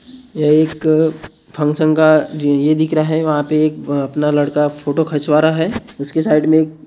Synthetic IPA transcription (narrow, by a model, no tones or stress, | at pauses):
jeeːk | pʰɐ̃ŋɡsə̃ŋɡkajed̪ɪkɾaɦɛʋɐɦãpeːkɐpnalɐɽkafʰoːʈokʰɐt͡ʃʋaːɾaɦɛːʊskesaːɪɖmẽeːk̚